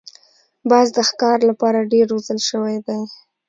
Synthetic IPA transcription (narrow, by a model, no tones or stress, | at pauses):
bɑzd̪əxkɑɾlapɑɾaɖeɾozəlʃəwajd̪aj